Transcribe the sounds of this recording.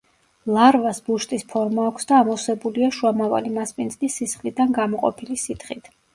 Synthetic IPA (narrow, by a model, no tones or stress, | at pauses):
lˠaɾvasbuʃt̪ʼispʰɔɾmaːkʷʰsd̪aːmɔsɛbuliaʃuamava̰limaspʼinzʼlisisχlid̪anɡamɔqʼɔ̰pʰilisit̪χit̪ʰ